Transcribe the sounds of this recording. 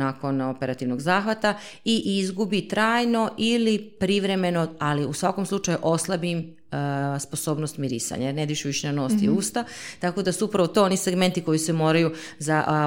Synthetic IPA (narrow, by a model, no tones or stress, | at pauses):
ako̞nopeɾat̪iʋno̞ɡzaːxʋat̪a | iʔizɡubit̪ɾaːjno̞ʔilipɾiʋɾe̞me̞no̞aliusʋako̞mslˠut͡ʃajuʔo̞slˠabim | spo̞so̞ːbnost̪miɾḭːsa̰ɲajeɾned̪ʋiʃeʋiʃenano̞ːst̪iuːst̪at̪ako̞d̪asuupɾaʋot̪o̞oniseɡme̞nt̪iko̞jisemo̞ːɾaju | za